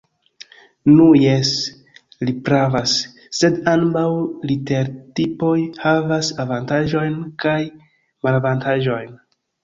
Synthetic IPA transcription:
nujes | lipɾavasː | e̞dambawlite̞ɾtipo̞jhavasavantaʒo̞jnkaj | malavantaʒo̞jn

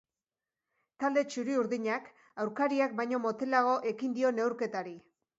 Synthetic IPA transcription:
t̪ald̪e̞t͡ʃuɾiuɾðiɲak | awɾkaɾiak̚bajɲo̞mo̞t̪e̞laɣ̞o̞ʔe̞kind̪io̞ne̞wɾke̞t̪aɾi

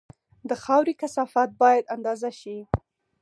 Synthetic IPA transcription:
d̪əxɑwɾikasɑfɑt̪̚bɑjad̪and̪ɑzaʃi

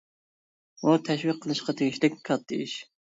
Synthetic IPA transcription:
ut̪ʰɛʃwiqʰːəlˠɨʃqɑt̪ʰeɡʲiʃlɪkʲkʰɑt̪̚d̪ḛjiʃ

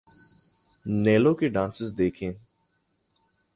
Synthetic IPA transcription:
neːlõkeɖãːnsɪzd̪eːkʰẽː

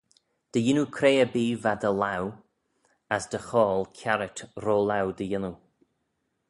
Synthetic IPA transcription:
d̪̥əjɪnukʰɾeːəbiːvad̪əlaw | əsd̪̥əxɔːlkʰjaɾətɾoːlawd̪əjɪnu

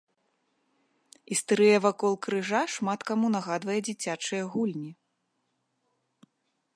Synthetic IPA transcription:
ist̪ɾɨjɛvakɔlˠkɾɨʐaʂmat̪kamunɐɣad̪vɐjɛd͡zʲit͡sʲat͡ʂɨjɐɣulʲnʲi

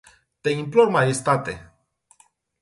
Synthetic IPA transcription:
t̪e̞implormajest̪at̪ḛ

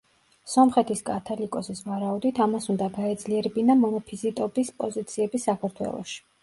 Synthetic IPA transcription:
sɔmχɛt̪ʰiskʼat̪ʰalikʼɔsisvaɾaud̪it̪ʰamasund̪aɡaɛd̪zliɛɾɛbinamɔnɔpʰizit̪ʼɔbispʼɔzit̪sʰiɛbisakʰaɾt̪ʰwɛ̰lˠɔ̰ʃi̥

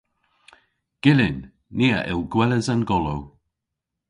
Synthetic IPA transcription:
ɡ̥ɪlɪnː | iːəʔɪlˠɡwɛləzanɡɔlow

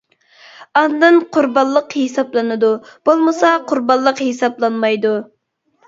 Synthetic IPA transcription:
ɑnd̪ɨnqʰʊɾbɑllˠːəqhesɑplˠɨnɨd̪ub̥olˠmɨsɑqʰʊɾbɑllˠːəqhesɑplˠɑnmɑjd̪u

